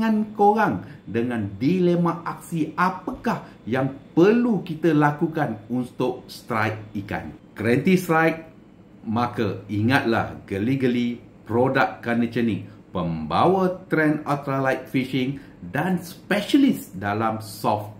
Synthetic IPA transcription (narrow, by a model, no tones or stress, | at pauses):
ãnkoɾaŋdəŋãndilemãʔak̚siapəkah | jaŋpəlukit̪əlakukanunt̪ʊʔ̚st̪ɾajk̚ika̰nkɾɛnt̪ist̪ɾajk̚ | makəiŋat̪̚la̰hɡəliɡəli | pɾodakːanət͡ʃənipəmba̰wat̪ɾɛnat̪ɾalajt̪̚fiʃiŋ | danspɛʃəlisdalamsɔft̪